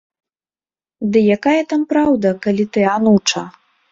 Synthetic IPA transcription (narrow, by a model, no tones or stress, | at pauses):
d̪ɨjakajɐt̪ampɾawd̪ɐkalʲit̪ɨanut͡ʂɐ